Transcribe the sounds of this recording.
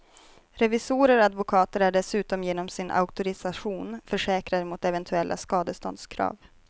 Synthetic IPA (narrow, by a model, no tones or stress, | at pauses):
ɾɛvɪsuːɾəɾɔad̪vʊkʰɑːt̪əɾæɖɛsʉ̟ːt̪ɔmjeːnɔmsɪnʔa̰ʊkt̪ʊɾɪsaɧuːnfœʂɛːkɾad̪əmʊt̪ɛvɛnt̪ʰɵɛlːʔa̰skɑːd̪əst̪ɔ̰nd̪skʰɾɑ̰ːv